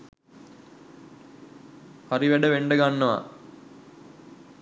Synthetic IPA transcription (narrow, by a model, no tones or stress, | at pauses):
hɐɾiʋɛɖəʋeɳɖəɡanːɐʋa̰